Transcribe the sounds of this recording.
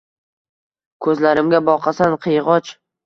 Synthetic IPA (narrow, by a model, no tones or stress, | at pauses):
kʰɵzlaɾɪmɡʲabɒqʰɑsanqʰɨjʁɒt͡ʃ